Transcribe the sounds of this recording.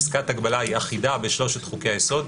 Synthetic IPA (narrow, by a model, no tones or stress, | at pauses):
skat̪aɡbalaiaχidabeʃlo̞ʃet̪χukejajeso̞d̪